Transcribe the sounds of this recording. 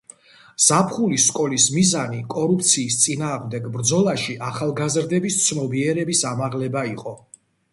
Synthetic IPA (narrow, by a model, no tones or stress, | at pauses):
z̥apʰχulisːkʼɔlismizanikʼɔɾup̚ʰt̪sʰiːst̪sʼinaːʁmd̪ɛɡbɾd̪zɔlˠaʃiʔaχalˠɡazɾd̪ɛbist̪sʰnɔbiɛɾɛbisamaʁlɛbaiqʼɔ